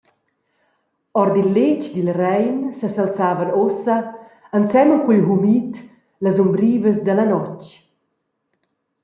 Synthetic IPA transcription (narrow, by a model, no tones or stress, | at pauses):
ɔrd̪ilːet͡ʃd̪ilrɛjnsəsalt͡saːvənosə | ant͡sɛmukwilɦumit̪ | lazumbɾiːvəsd̪əlanɔt͡ʃ